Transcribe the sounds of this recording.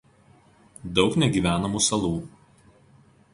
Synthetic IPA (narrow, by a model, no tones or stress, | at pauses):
d̪ɒʊknʲɛɡʲiːˑʋʲæːnɐmuːsɐlˠuː